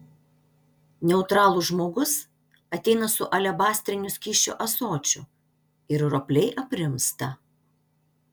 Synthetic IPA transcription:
nʲɛʊt̪ɾɑːlˠʊʒmoːɡʊs | ɐt̪ʲɛɪnɐsʊʔɐlʲɛbɑːsʲt̪ʲɾʲɪnʲʊsʲkʲiːʃʲt͡ʃʲʊ̰ʔɐsoːt͡ʃʲʊ | ɪɾɾoːpʲlʲɛɪʔɐpʲɾʲɪmst̪ɐ

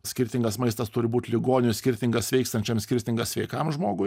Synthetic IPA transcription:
sʲkʲɪɾʲt̪ʲɪŋɡɐsmɐɪst̪ɐst̪ʊɾʲɪbuːt̪ʲlʲɪɡoːnʲɪnʊsʲkʲɪɾʲt̪ʲɪŋɡɐsʋʲɛɪkst̪ɐnʲt͡ʃʲɛmsʲkʲɪɾʲt̪ʲɪŋɡɐsʋʲɛɪkɐmʒmoːɡʊ

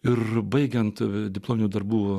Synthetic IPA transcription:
ɪrbɐɪɡʲɛnt̪d̪ʲɪplˠoːmʲɪnʲuːd̪ɐɾbuː

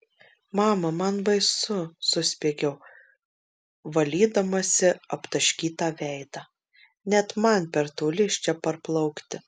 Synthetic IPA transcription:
mɑːmɐmɐnbɐɪsʊsʊsʲpʲeːɡʲɛʊ | ʋɐlʲiːd̪ɐmɐsʲɪɐpt̪ɐʃʲkʲiːt̪ɑːʋʲɛɪd̪ɑ | nʲɛt̪mɐnpʲɛɾt̪oːlʲɪʃʲt͡ʃʲɛpɐɾplˠɐʊkt̪ʲɪ

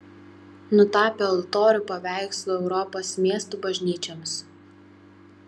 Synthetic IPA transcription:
nʊt̪ɑːpʲeɐlˠt̪oːɾʲʊpɐʋʲæˑɪkslˠoːɛʊɾɔpoːsmʲiɛst̪uːbɐʒʲnʲiːt͡ʃʲɛms

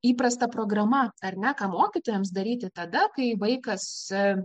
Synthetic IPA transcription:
iːpɾɐst̪ɐpɾoːɡɾɐmɐɐɾʲnʲɛkɑːmoːkʲiːt̪oːjɛms̬d̪ɐɾʲiːt̪ʲɪt̪ɐd̪ɐkɐɪʋɐɪkɐs

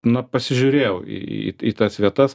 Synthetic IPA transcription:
nɐpɐsʲɪʒʲʊɾʲeːjɛʊḭḭiːt̪ɐsʋʲiɛt̪ɐs

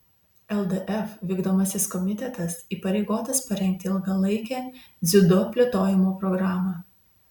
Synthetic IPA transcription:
ɛlˠd̪ɛʔɛfʋʲiːɡd̪oːmɐsʲɪskɔmʲɪt̪ʲɛt̪ɐsiːpɐɾʲɛɪɡoːt̪ɐspɐɾʲɛŋʲk̚t̪ʲɪɪlˠɡɐlˠɐɪkʲæː | zʲɪd̪oːpʲlʲɛt̪oːjɪmoːpɾɔɡɾaːmɑ

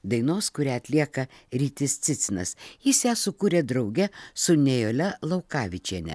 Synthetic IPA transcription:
d̪ɐɪnoːskʊɾʲæːɐt̪ʲlʲiɛkɐ | ɾʲiːt̪ʲɪst̪sʲɪt̪sʲɪnɐsjɪsjæːsʊkuːɾʲeːd̪ɾɒʊɡʲɛsʊnʲɛjoːlʲɛlˠɒʊkɑːʋʲɪt͡ʃʲiɛnʲɛ̰

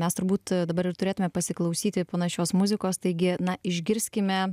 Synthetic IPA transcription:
mʲɛst̪ʊɾbuːt̪d̪ɐbɐɾɪrt̪ʊɾʲeːt̪ʊmʲɛpɐsʲɪklˠɐʊsʲiːt̪ʲɪpoːnɐʃʲoːsmʊzʲɪkoːst̪ɐɪɡʲɪnɐɪʒʲɡʲɪɾʲsʲkʲɪmʲɛ

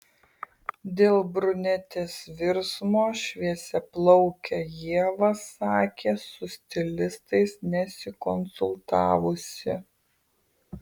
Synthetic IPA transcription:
d̪ʲeːlˠbɾʊnʲɛt̪ʲeːsʋʲɪɾsmoːʃʲʋʲiɛsʲɛplˠɒʊkʲɛjiɛʋɐsɑːkʲeːsʊsʲt̪ʲɪlʲɪst̪ɐɪsnʲɛsʲɪkɔnsʊlˠt̪ɑ̰ːʋʊsʲɪ

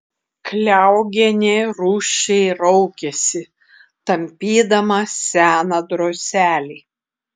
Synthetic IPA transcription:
klʲæˑʊɡʲɛnʲeɾuːʃʲɛɪɾɒʊkʲɛsʲɪ | t̪ɐmʲpʲiːd̪ɐmɐsʲæːnɐd̪ɾoːsʲæːlʲiː

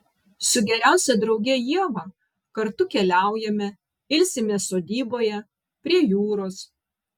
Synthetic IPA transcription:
sʊɡʲɛɾʲæˑʊsʲɛd̪ɾɒʊɡʲɛjiɛʋɑ | kɐɾt̪ʊkʲɛlʲæˑʊjɛmʲɛ | ɪlʲsʲɪmʲeːsoːd̪ʲiːboːjɛ | pʲɾʲiɛjuːɾoːs

